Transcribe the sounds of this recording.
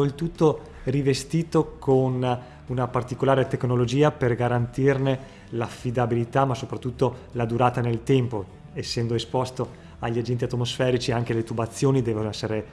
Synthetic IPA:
oilt̪ut̪ːo | rivest̪iːt̪okʰon | unapart̪ikolaːɾet̪eknolod͡ʒiːaperɡaɾant̪irne | lafːid̪abilit̪amasopɾat̪ːut̪ːolad̪uɾaːt̪anelt̪ɛmpo | esːɛnd̪oespɔst̪o | aʎːiad͡ʒɛnt̪iat̪omosfɛːɾit͡ʃiaŋk̟elet̪ubat̪sːjoːnid̪ɛːvonɛsːeɾe

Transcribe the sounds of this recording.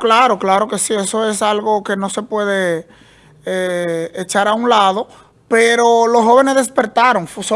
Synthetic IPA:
klaɾo̞klaɾo̞ke̞sie̞so̞e̞salɣo̞ke̞no̞se̞pwe̞ð̞e̞ | eːt͡ʃaɾaunlað̞o̞ | peɾo̞lo̞sho̞βe̞ne̞zðe̞speɾt̪aɾo̞ŋfso

